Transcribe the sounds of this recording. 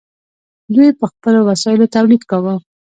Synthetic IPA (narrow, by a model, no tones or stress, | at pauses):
d̪ujpəxpəlowasɑjɪlot̪awlid̪kawə